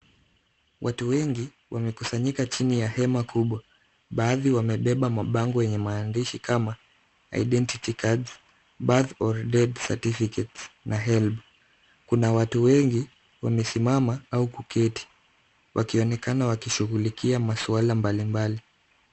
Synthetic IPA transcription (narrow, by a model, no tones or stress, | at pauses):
wʔatuwɛŋɡi | wʔamɛkusaɲikat͡ʃinijahɛmakʰuɓwa | ɓaːðiwamɛɓɛɓamaɓaŋɡɔjɛɲɛmaːndiʃikama | a̰iɗɛntitikʰads | ɓaθɔɾdɛdsa̰tifikɛtsnaɦɛlb | kunawatuwɛŋɡi | wamɛsimamaaukukʰɛti̥ | wʔakiɔnɛkanawakiʃuɣulikʰiamasualambalimbali